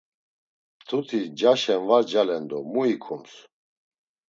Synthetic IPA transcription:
t̪ʰut̪ʰid͡ʒaʃɛnvad͡ʒalɛnd̪ɔmuikʰums

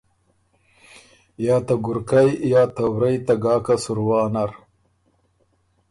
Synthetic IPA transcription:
jaːt̪aɡʊɾkajjaːt̪awɾajt̪aɡɑːkasʊɾwɑːnɐɾ

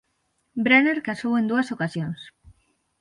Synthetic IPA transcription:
bɾeneɾkasowend̪uɐsokasjons

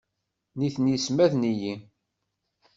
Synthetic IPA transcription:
niθnjismæðniji

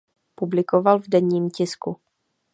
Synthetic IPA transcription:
publɪkovalvdɛɲiːmcɪsku

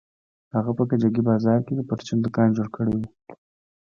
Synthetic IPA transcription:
haɣapəkad͡ʒaɡibɑzɑɾked̪əpəɾt͡ʃind̪əkɑjmd͡ʒoɽkʰəɽewu

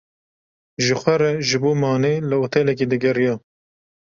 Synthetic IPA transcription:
ʒɨxʷɛɾɛʒɨboːmɑːneːlɨot̪ʰɛlɛk̬iːd̪ɨɡɛɾijɑː

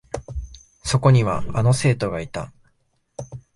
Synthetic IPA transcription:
so̞ko̞ɲ̟iβ̞a̰ano̞se̞ːt̪o̞ɡait̪a̰

